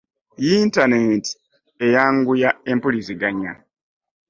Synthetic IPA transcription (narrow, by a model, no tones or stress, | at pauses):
jiːntaneːnti̥ | e̞jaːŋɡujaempuliziɡaɲa